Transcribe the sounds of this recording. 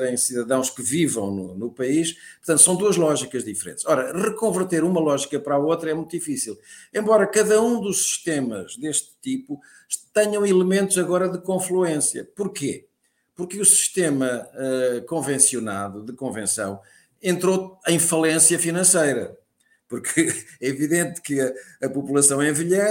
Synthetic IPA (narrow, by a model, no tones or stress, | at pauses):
ɾɐ̃j̃siðɐðɐ̃w̃ʃkɨvivɐ̃w̃nṵnupɐiʃpuɾt̪ɐ̃t̪sɐ̃w̃d̪uɐʒlˠɔʒikɐʒðifɨɾḛ̃nt̪ʃɔɾɐʁɨkõvɨɾt̪eɾumɐlˠɔʒikɐpɐɾaot̪ɾɐɛmũj̃t̪uðifisilˠẽmbɔɾɐkɐðɐũd̪uʃsi̥ʃt̪emɐʒðeʃt̪t̪ipu | t̪ɛɲɐ̃w̃ilˠɨmẽnt̪uzɐɣɔɾɐðɨkõflˠuẽsjɐ̰puɾke | puɾkɨusi̥ʃt̪emɐɛkõvẽsiuna̰ðuðɨkõvẽsɐ̰̃w̃ | ẽnt̪ɾoɐ̃j̃fɐlˠẽsjɐfinɐ̃sejɾɐ̰ | puɾkʰɨɛiviðẽnt̪kɨɐɐpupulˠɐsɐ̃w̃ẽviʎɛ